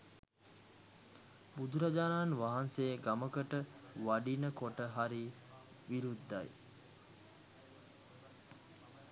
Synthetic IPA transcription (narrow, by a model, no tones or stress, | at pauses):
bud̪uɾad͡ʒaːnaːnʋaɦansejɡaməkəʈəʋaɖinəkoʈəɦaɾi | ʋiɾud̪ːaj